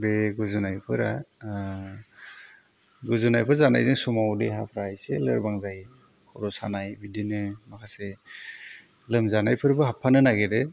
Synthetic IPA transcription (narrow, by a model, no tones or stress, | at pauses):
beɡuzɯnajpʰɯɾa | ɡuzɯnajpʰɯɾzana̰jzɯŋsumawdeɦa̰pʰɾajselɯ̰ɾbaŋzaj | kʰɔɾɔsanajbidinɯmakʰase | lɯmzanajpʰɯɾbɯɦapʰːanɯnaɡedɯ